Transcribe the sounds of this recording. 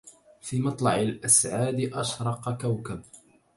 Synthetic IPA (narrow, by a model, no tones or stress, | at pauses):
fiːmɑt̪ˤlɑʕɪlʔasʕaːd̪ɪʔɑʃɾˤɑqɑkawkab